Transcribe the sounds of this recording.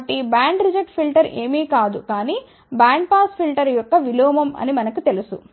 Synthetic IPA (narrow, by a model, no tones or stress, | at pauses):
ʈibaːɳɖɾid͡ʒɐʈpʰilʈɐɾe̞ːmiːkaːd̪ukaːniː | baːɳɖ̚paːspʰilʈɐɾjɔkːɐʋilɔːmɐmɐ̰nimɐnɐkut̪e̞lusu